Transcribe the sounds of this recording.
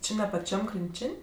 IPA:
ˈt͡ʃʲɪ nʲɛ pɐˈt͡ʃʲɛm krʲɪnʲˈt͡ʃʲɪnʲ

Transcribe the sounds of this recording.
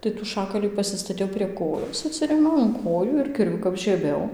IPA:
tɐɪ tuː ˈʃɑːkɐlʲiː pɐsʲɪstɐˈtʲɛʊ pʲrʲiɛ ˈkoːjoːs ɐtʲˈsʲɪrʲeːmʲɛʊ ɪn ˈkoːjuː ɪr kʲɪrʲˈʋʲʊ kɐp ʒʲiɛˈbʲɛʊ

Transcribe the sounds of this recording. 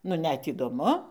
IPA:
nʊ ˈnʲɛt iːdoːˈmʊ

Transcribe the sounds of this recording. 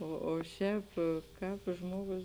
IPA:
oː oː ˈʃʲɛːp ˈkɑːp ˈʒmoːɡʊs

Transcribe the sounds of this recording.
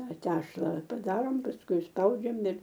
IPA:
ˈtɐ ˈtʲæːʃlˠɐ pɐˈdɑːroːm pɐsˈkʊɪ ɪsˈpɐʊd͡ʒʲɛm ɪr

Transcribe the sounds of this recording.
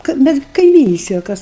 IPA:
kɐ ˈmʲɛs ɡʲɪ kɐɪˈmʲiːnʲɪsʲtʲɛj oː ˈkɐs

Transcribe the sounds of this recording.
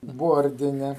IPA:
ˈboːrʲdʲɪnʲɛ

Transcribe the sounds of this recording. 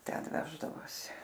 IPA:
ˈtʲɛn ˈʋʲæːʒdɐʋoːsʲɪ

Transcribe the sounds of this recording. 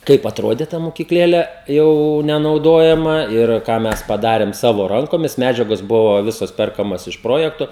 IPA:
ˈkɐɪp ɐtˈroːdʲeː tɐ moːkʲiːkˈlʲeːlʲɛ ˈjɛʊ nʲɛnɐʊˈdoːjɛmɐ ɪr ˈkɑː ˈmʲɛs pɐˈdɑːrʲɛm ˈsɑːʋoː ˈrɐŋkoːmʲɪs ˈmʲæːd͡ʒʲɛɡoːs ˈbʊʋoː ˈʋʲɪsoːs ˈpʲɛrkɐmɐs ɪʃ ˈproːjɛktoː

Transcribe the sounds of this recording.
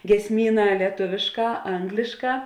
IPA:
ɡʲiɛsʲˈmʲiːˌnɑː lʲiɛˈtʊʋʲeːʃˌkɑː ˈɐŋɡlʲɪʃˌkɑː

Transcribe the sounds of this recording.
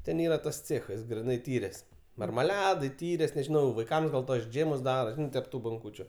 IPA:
ˈtʲɛn ˈiːrɐ tɐs ˈt͡sʲeːxɐs ɡrʲɪˈnɐɪ ˈtʲiːrʲeːs mɐrmɐˈlʲæːdɐɪ ˈtʲiːrʲeːs nʲɛʒʲɪˈnɐʊ ʋɐɪˈkɐms ɡɐlˠ tuɔs ˈd͡ʒʲeːmʊs ˈdɑːroː ˈʒʲɪnɐɪ tʲɛp ˈtuː boːŋˈkuːt͡ʃʲʊ

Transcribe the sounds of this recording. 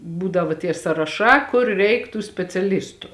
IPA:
ˈbuːdɐʋoː tʲiɛ sɐrɐˈʃɑː ˈkʊr ˈrʲɛɪk tuː sʲpʲɛt͡sʲɛˈlʲɪstʊ

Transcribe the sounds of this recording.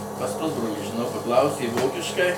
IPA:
pɐs ˈpʊzbroːlʲiː ʒʲɪˈnɐʊ pɐˈklˠɐʊsʲeː ˈʋoːkʲɪʃkɐɪ

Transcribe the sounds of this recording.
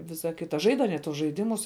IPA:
ˈʋʲɪsɐ ˈkʲɪtɐ ˈʒɐɪt ɐˈnʲiɛ tuɔs ʒɐɪˈdʲɪmʊs

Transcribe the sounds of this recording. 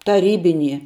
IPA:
tɐˈrʲiːbʲɪnʲiɛ

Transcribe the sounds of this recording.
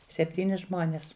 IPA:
sʲɛpʲˈtʲiːnʲɪ ˈʒmoːnʲeːs

